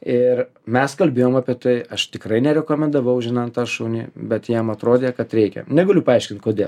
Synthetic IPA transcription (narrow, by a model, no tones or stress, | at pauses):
ɪrmʲɛskɐlʲbʲeːjoːmɑːpʲiɛt̪ɐɪɐʃt̪ʲɪkrɐɪnʲɛɾʲɛkoːmʲɛnd̪ɐʋɐʊʒʲɪnɑːnt̪ɑːʃuːnʲḭbʲɛt̪jɛmɐt̪ɾoːd̪ʲeːkɐt̪ɾʲɛɪkʲɛ̰nʲɛɡɐlʲʊpɐɐɪʃkʲɪnt̪koːd̪ʲeːlˠ